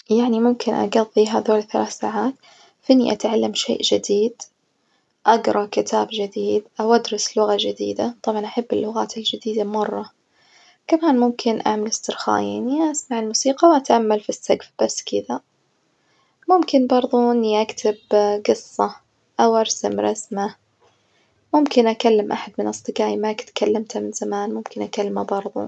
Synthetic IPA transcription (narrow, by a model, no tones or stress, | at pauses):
jaʕnimʊmkʰɪnʔa̰ɡɑðˤːiɦaðoːlθalaːθsa̰ːʕaːt̪ | fʔɪnːiʔat̪ʕalːamʃḛːʔd͡ʒɪd̪iːd̪ | ʔaɡɾˤɑkɪt̪ʰaːbd͡ʒɪd̪iːd̪ʔawʔad̪ɾˤɑslʊɣad͡ʒɪd̪ḭːd̪at̪ˤɑbʕɑnʔaħabːɪlːʊɣaːt̪ad͡ʒɪd̪iːd̪amɑrˤːɑ | kamaːnmʊmkʰɪnʔa̰ʕmalɪst̪ɪɾxa̰ːja̰ːniʔasmaʕɪlmuːsiːqɑwʔat̪ʕamːalfist̪aɡfbasːkɪd̪a | mʊmkɪnbɑɾˤðˤuɪnːiʔakt̪ʰabɡɨsˤːɑ | ʔawʔɑɾˤsa̰mɾˤɑ̰sma | mʊmkɪnʔakalːamʔa̰ħad̪̚mɪnʔɑsˤd̪ˤɨɡaːjimakt̪kʰalːamt̪ʰamɪnz̥amaːnmʊmkɪnʔakalːmabɑɾˤðˤṵ